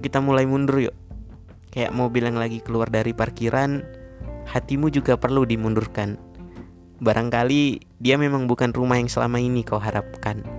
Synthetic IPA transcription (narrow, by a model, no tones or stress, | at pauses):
kit̪amulaimundʊrjo̰ | kaja̰ʔmaubilaŋlaɡikəluardaɾiparkiɾʔan | hat̪imud͡ʒuɡapərludimundʊrkan | baɾʔaŋkali | diamemaŋbukanrumahjaŋsəla̰mainikauɦaɾap̚kan